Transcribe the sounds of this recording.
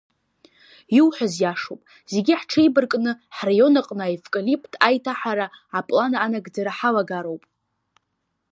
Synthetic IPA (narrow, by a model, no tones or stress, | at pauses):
iwħʷazjaʂowpʼ | z̥eɡʲiħʈ͡ʂʰejbɨrkʼnɨħrajo̞naqʼnɨaefkʼalipʼtʼajtʰaħaɾaapʼlanːnaɡd͡zaɾaħalaɡaɾo̞wpʼ